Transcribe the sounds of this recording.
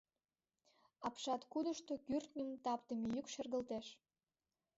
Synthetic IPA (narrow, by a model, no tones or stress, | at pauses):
ɑpʃɑt̪kud̪əʃt̪okyrt̪nʲimt̪ɑpt̪əmejykʃerɣəlt̪eʃ